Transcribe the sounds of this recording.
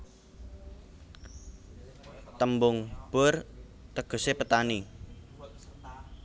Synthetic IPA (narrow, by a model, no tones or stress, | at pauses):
t̪əmbʊŋb̥ɔr | t̪əɡ̥o̤sepət̪ani